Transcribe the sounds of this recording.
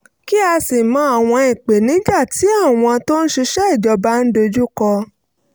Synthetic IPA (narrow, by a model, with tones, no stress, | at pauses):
ki˦a˧si˨mã˨˦a˦˨w̃ɔ̃˧ĩ˨k͡pe˨nĩ˨˦ɡ͡ba˦˨ti˨˦a˦˨w̃ɔ̃˧to˦n̩˦ʃi˧ʃɛ˦i˦˨d͡ʒɔ˧ba˧˦n̩˦do˧d͡ʒu˦kɔ˧